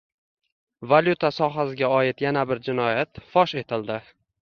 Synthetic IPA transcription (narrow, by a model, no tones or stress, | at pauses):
valʲjut̪ʰasɒɦasɪɡʲaɒjɪt̪janabɪɾd͡ʒɪnɒjat̪fɒʃe̞t̪ʰɪld̪ɪ